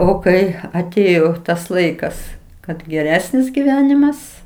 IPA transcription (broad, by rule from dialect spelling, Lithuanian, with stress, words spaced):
oː ˈkɐɪ ɐˈtʲeːjoː tɐs ˈlˠɐɪkɐs kɐt ɡʲɛˈrʲæːsʲnʲɪs ɡʲɪˈʋʲæːnʲɪmɐs